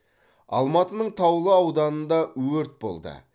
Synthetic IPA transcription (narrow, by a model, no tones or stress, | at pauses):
ɑ̰lˠmɑt̪ənəɴt̪ʰɑwlˠəɑwd̪ɑnənd̪ɑwɵɾt̪̚bo̞̰lˠd̪ə̰